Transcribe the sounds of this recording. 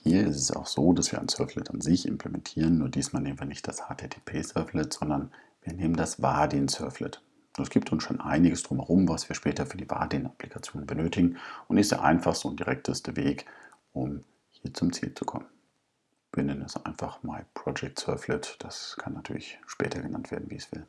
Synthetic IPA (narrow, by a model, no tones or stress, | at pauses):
hiːɐɪstɛsa̰ʊxz̥oːdasv̥iːɐa̰ɪnsœɐflɪtanzɪçɪ̰mpʰləmɛntʰiːʁənːuːɐdiːsmaːlneːmən̩viːɐnɪçt̚d̥ashaːtʰeːtʰe̥ːpʰeːsœɐflɪtz̥ɔndɐn | viːɐneːməndasvaːɐdinsœɐflɪt | ɛsɡ̥iːptʰʊnsʃo̰ːnʔa̰ɪnɪɡəsd̥ʁʊmhɛʁʊmvasv̥iːɐʃpɛːtɐfyːɐdiːva̰ːɐdinaplikʰat͡sjoːnənbənøːtɪɡŋ̩ʔʊntɪstd̥ḛɐʔa̰ɪnfaχstəʊntd̥iʁɛk̚tʰəstəveːk | ʔʊm | hiːɐt͡sʊmt͡sḭːlt͡su̥kʰɔ̰mən | viːɐnɛnənɪsʔa̰ɪnfaχmaɪpʁ̥ɔd͡ʒɛk̚tsœɐflɪtd̥askʰanːatʰyːɐlɪçʃpɛːtʰɐɡənantv̥ḛːɐdn̩viːsv̥ɪ̰l